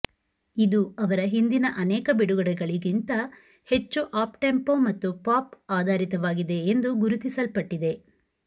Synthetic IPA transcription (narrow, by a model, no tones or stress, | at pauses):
id̪uɐʋɐɾɐɦind̪inɐʔɐnɛːkɐbiɽuɡɐɽɛɡɐɭiɡint̪ɐ | he̞t͡ʃːuʔaːpʈempo̞ːmɐt̪ːupaːpaːd̪ʱaːɾit̪ɐʋaːɡid̪e̞ːnd̪uɡuɾut̪isɐlpɐʈːid̪e̞